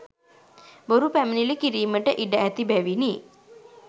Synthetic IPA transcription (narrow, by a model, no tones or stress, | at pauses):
boɾupæmnilikiɾiːməʈəʔiɖaʔæt̪ibæʋini